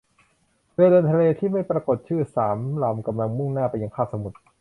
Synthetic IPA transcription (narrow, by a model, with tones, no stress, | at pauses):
dɤː˧dɤː˧nt̪ʰa˧leː˧t̪ʰiː˥˩ma˥˩jpɾa˧ko˨˩t̪̚t͡ɕʰɯː˥˩saː˩˦mla˨˧˩mka˧mla˧ŋmu˥˩ŋnaː˥˩pa˧jːa˧ŋkʰaː˥˩sa˧mu˨˩t̪̚